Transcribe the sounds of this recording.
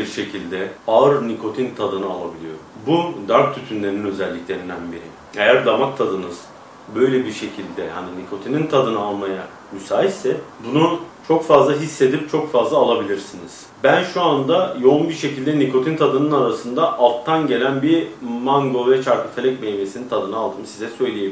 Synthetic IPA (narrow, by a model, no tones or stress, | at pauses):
iɾʃe̞cʰilʲd̪ɛaɯɾnikʰo̞t̪ʰint̪ʰad̪ɯnɯa̰lˠabilʲijo̞̰ɾbud̪aɾk̚t̪ʰyt̪ʰynlʲe̞ɾininø̞zɛlʲːiclʲe̞ɾind̪ænbiɾi | e̞jæɾd̪amak̚t̪ʰad̪ɯnɯz̥ | bø̞jlʲebiɾʃe̞cʰilʲd̪ɛha̰ninikʰo̞t̪ʰinint̪ʰad̪ɯnɯalˠmaja̰ | mysaːɦisɛbunut͡ʃʰo̞kfazlˠaɦisːe̞d̪ip̚t͡ʃʰo̞kfazlˠaːlˠabilʲiɾsiniz̥ | bænʃuand̪ajo̞umbiɾʃe̞cilʲd̪ɛnikʰo̞t̪ʰint̪ʰad̪ɯnɯnaɾasɯnd̪aʔalˠt̪ʰːanɟe̞lʲænbiɾmaŋɡovɛt͡ʃʰaɾkɯfʰelʲɛc̚mejve̞sinint̪ʰad̪ɯnɯalˠd̪ɯmsizɛsø̞jlʲejebi